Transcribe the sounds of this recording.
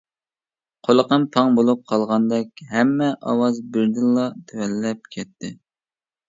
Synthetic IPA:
qʰolˠəqəmpʰɑŋbolˠup̚qʰɑlˠʁɑnd̪ɛkʲɦɛmːɛʔɑ̰wɑzbɪɾd̪ɪlːɑt̪ʰewɛlːɛp̚kʲʰɛt̪ʰːɪ

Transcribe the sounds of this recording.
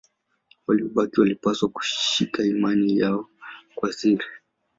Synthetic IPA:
waliɔɓakiwalipaswaku̥ʃʃikaimanijaɔkwasiɾi

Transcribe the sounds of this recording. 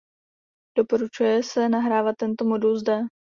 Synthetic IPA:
d̥o̞po̞ɾut͡ʃujɛsɛnaɦɾaːvat̪ːɛnt̪o̞mo̞dulzdɛ

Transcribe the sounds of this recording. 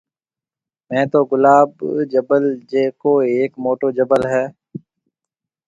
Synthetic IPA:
mɛ̃ːt̪oːɡʊlaːbd͡ʒəbəld͡ʒeːkoːeːkmoːʈoːd͡ʒəbəlɦɛː

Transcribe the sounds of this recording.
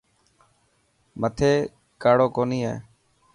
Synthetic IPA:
mət̪ʰeː | kaːɽoːkoːniːɦḛː

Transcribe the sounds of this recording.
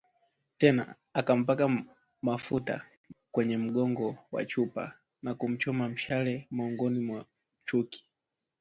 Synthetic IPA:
tɛna̰ | akam̩paka | mafuta̰ | kwɛɲɛm̩ɠɔŋɡɔwa̰t͡ʃupa̰ | nakum̩t͡ʃɔmam̩ʃalɛmɔːŋɡɔnimwa | t͡ʃuki̥

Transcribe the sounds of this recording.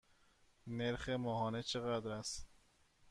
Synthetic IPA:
neɾxemɒːɦɒːnet͡ʃʰe̞ɣæd̪ɾæst̪

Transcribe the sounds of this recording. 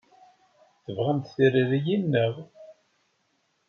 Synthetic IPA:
θəvʁəmt̪θiriɾijinːəʁ

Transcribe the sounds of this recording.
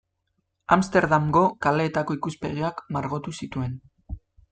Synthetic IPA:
amst̪e̞ɾðamɡo̞kale̞ːt̪ako̞ikuspeɣ̞iakmaɾɣo̞t̪usit̪ue̞n

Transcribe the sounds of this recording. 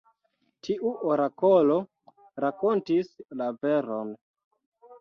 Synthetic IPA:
tʰiʔuʔoɾako̞lo̞ | ɾako̞ntislaveɾon

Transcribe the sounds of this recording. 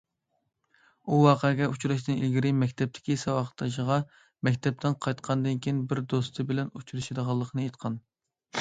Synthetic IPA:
uwɑːqʰəɡʲɛut͡ʃuɾɑʃnɨnilɡʲiɾɪmɛkʲt̪ʰɛp̚t̪ʰɪ̥kʲisɑwɑχə̥t̪ʰːɑʃ̬əʁɑ | mɛkʲt̪ʰɛp̚t̪ʰɪnqʰɑjt̪qʰɑnd̪ɨnkʲijinbɪɾd̪ost̪ʰɨbɪlɛnut͡ʃʰuɾɨʃed̪əʁɑlˠːəqʰnɨejt̪qʰɑn

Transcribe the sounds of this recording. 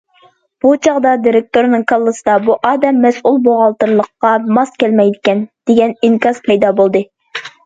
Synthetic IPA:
b̥ut͡ʃʰɑʁd̪ɑd̪iɾek̚t̪oɾnɨŋkʰɑlˠːɨsɨd̪ɑbuʔɑːd̪ɛmːɛsʔulˠboʁɑlˠt̪ɨɾlˠəqːɑmɑskʲælmɛjd̪ɪkʲɛnd̪̥eɡʲɛniŋkʲɑz̥pʰɛjd̪ɑbolˠd̪ɨ

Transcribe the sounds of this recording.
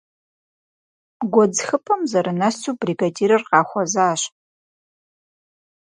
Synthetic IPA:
ɡʷɔd͡zxɨpʰʼɐmzɐɾɨnɐsuːbriɡadiːɾɨrqɑːxʷɔzaːɕ

